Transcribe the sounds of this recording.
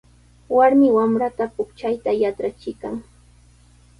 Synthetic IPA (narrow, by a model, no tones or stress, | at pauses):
waɾmɪwamɾat̪apʊkt͡ʃajt̪ajaʈ͡ʂɾat͡ʃɪkaŋ